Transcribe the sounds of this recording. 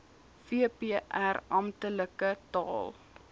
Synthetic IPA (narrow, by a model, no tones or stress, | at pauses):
fiəpiəʔærɐmtələkətɑ̰ːlˠ